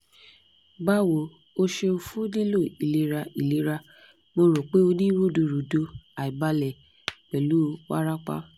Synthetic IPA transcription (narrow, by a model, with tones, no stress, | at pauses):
ɡ͡ba˦wo˨ | o˧ʃe˧o˧fu˦di˦lo˦˨i˨le˨˦ɾa˧i˨le˨˦ɾa˧ | mo˧ɾo˨k͡pe˨˦o˧nĩ˦wu˦˨du˧˨ɾu˨do˧a˨i˨ba˧lɛ˨ | k͡pɛ˨lu˨˦wa̰˦ɾa˦k͡pa̰˦